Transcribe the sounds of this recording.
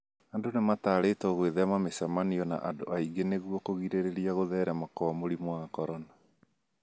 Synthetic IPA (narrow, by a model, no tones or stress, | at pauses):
andonemataːɾeːtɔɣweðɛmamesamaniɔna̰ʔando̰ʔaiɡeneɣwɔkoɣiɾeɾeɾiaɣoðɛɾɛmakɔamoɾimoakɔɾɔna